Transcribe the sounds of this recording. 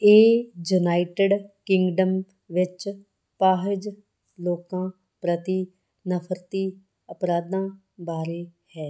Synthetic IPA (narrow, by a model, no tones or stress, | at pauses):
eːd͡ʒunaːɪʈəɖkɪ̃ŋɡɖəm | ʋɪt͡ʃ | paːɦɪd͡ʒ | loːkãː | pɾət̪iː | nəpʰəɾt̪iː | əpɾaːd̪ãː | baːɾeː | hɛː